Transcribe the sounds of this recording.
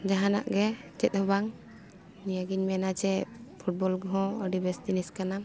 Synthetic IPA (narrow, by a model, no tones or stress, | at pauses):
d͡ʒaɦana̰ʔɡɛt͡ʃɛt̪̚ˀhɔbaŋ | nijaɡiɲmɛnat͡ʃɛpʰuʈ̚bɔlɡɔɦɔ̃ɔɖibɛst̪iniskana